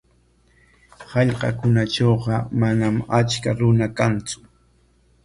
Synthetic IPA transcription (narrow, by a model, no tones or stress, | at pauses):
hɑʎqɑkʊnaʈ͡ʂowqɑmanamat͡ʃkaɾʊnakant͡sʊ̥